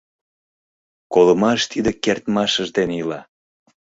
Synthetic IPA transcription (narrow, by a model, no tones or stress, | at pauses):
koləmɑʃt̪id̪ekert̪mɑʃəʒd̪enilɑ